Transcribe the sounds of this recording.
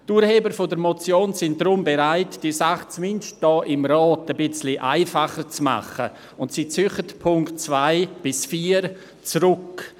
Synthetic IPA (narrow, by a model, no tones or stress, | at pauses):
tuːɾheːbəɾfodəɾmɔt͡sjoːnsɪn̚d̥ɾʊmbeɾaɪtd̥iːsaχt͡smɪndʃt̚d̥ɔːʔɪmɾɑːtəbɪt͡sliʔa̰ɪfaχəɾt͡sma̰χə̰ | ʊntsit͡sʏχətpʰʊŋktt͡svaɪb̥ɪsfiːəɾ | t͡sɾʊk